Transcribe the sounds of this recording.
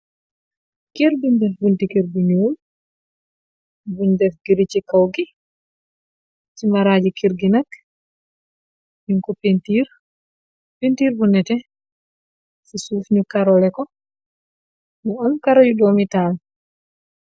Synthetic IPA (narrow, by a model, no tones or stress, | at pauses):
kiɾbindɛfbuntikiɾbuɲuul | bundɛfɡiɾit͡ʃikawɡi | timaɾaːd͡ʒikʰiɾɡinak | biŋkɔpentiːɾ | pentiːɾbunɛtɛ | sisufɲukaɾɔlɛkɔ | muɔnkaɾɔjudɔmitaːn